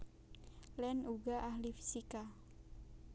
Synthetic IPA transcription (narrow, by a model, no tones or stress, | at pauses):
lɛnuɡaʔahlifi̥sika